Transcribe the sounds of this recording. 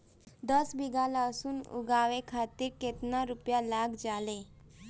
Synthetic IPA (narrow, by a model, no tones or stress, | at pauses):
d̪əsbiɡalaːsunʊ̰ɡaːʋekʰaːt̪iɾket̪naɾʊpjalaːkd͡ʒaːle